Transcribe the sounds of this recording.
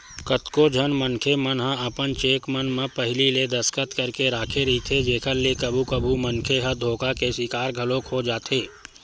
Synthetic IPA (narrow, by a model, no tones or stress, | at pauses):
kət̪kod͡ʒʱənmənkʰemənɦə̃ɐpənt͡ʃeːkmənmə̃pɐɦɪliled̪ɐskət̪kɐɾkeɾaːkʰeɾɐit̪ʰed͡ʒeːkʰəɾlekɐbʱukəbʱumənkʰeɦə̃d̪ʱoːkakeswɪkaːɾɡʱɐlõkʰod͡ʒaːt̪eː